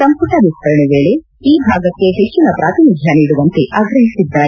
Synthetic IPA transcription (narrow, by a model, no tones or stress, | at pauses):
sɐmpuʈɐʋiskɐɾɐɳeʋeːɭe | iːɦaːɡɐkːe̞ɦet͡ʃːinɐpɾʔaːt̪inid̪ʱjaniːɽuʋɐnt̪eʔaːɡɾɐɦisid̪ːaːe